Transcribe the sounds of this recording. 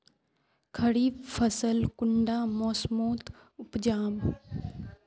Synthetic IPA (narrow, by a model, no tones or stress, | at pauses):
kʰəɽiːbfʰəsəlkʊɳɖaːmoːsmoːt̪ | ʊpd͡ʒaːm